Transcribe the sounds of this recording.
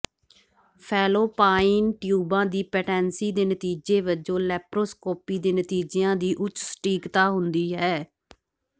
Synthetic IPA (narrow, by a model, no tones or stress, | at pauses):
pʰɛːloːpaːiːnʈjuːbãːd̪iːpɛːʈɛ̃ːnsiːd̪eːnət̪iːd͡ʒeːʋəd͡ʒõːlɛːpɾoːskoːpiːd̪eːnət̪iːd͡ʒeãːd̪iːʔʊt͡ʃsə̥ʈiːkt̪aːɦʊnd̪iːɦɛː